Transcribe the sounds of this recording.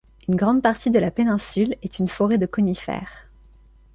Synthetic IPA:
ynɡʁɑ̃d̪̚paʁt̪id̪əlapenɛ̃sylɛt̪ʰynfɔʁed̪əkɔnifɛ̰ːʁ

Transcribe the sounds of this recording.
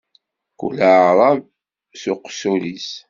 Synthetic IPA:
kṵlaʕɾˤɑv | suqːsulis

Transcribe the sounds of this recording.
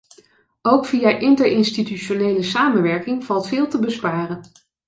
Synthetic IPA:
owkfijaʔɪntəɹɪnstityʃonejləsaːmənʋɛɹkɪŋv̥ɑlˠtfɪːlˠtəbəspaːrən

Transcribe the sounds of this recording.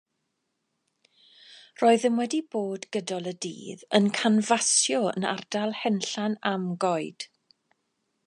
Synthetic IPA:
roːɨðəmwɛdiboːdɡədɔlˠədḭːðənkʰanvasjɔə̰na̰rdalˠhɛnɬanamɡɔɨd̥

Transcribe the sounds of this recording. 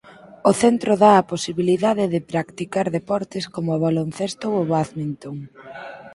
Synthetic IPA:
oθent̪ɾoðaɐposiβiliðaðeðɪpɾakt̪ikaɾðepɔɾt̪ɪskomoβalonθest̪ooβaθmint̪oŋ

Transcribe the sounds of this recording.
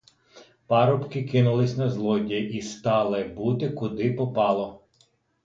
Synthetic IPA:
pɑɾɔpkɪkɪnʊlˠɪsʲnɐzlˠɔdʲiʔist̪ɑlˠɪbut̪ɪkʊd̪ɪpɔpɑlˠɔ

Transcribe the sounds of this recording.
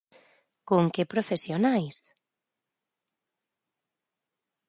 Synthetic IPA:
kuŋkɪpɾofesjonajs

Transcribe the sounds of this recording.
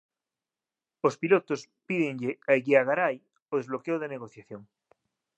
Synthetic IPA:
ospilot̪os | piðeŋʎeaeɣiaɣaɾaj | oðezβlokeoðeneɣ̞oθjaθjoŋ

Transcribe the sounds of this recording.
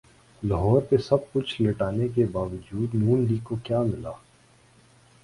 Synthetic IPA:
lɐɦɔːɾpesɐb̚kʊt͡ʃʰlɪʈaːnek̬ebaːʋəd͡ʒuːd̪nuːnɖiːkokjaːmɪlaː

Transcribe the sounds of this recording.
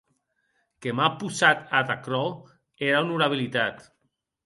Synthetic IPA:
kemapusat̪at̪akɾɔ | eɾaunuɾaβ̞ilit̪at̪

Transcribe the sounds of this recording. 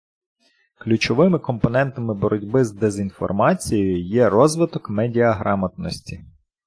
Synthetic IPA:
klʲut͡ʃɔʋɪmɪkɔmpɔnɛnt̪ɐmɪbɔɾʔɔdʲbɪzd̪ezʲinfɔ̰rmɑt͡sʲijjʊjɛɾɔzʋɪt̪ɔkmɛdʲiɐɦɾʔɑmɐt̪nɔsʲtʲi

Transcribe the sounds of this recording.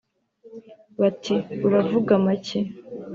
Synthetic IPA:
βatʰiuɾavuɡamace

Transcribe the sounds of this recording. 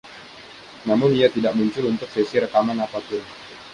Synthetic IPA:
namʊniat̪idaʔmuɲt͡ʃʊlunt̪ʊk̚sesiɾəkamanapapʊn

